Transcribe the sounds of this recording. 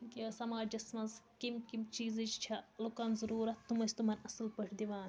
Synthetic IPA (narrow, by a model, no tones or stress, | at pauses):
kiɐsɐmaːd͡ʒd͡ʒɐsmɐnzkimkimt͡ʃiːzit͡ʃt͡ʃʰɐlukanzɐɾuːɾɐt̪ːumɐsʲt̪umɐnɐsɐlpɐʈʰd̪iʋãːn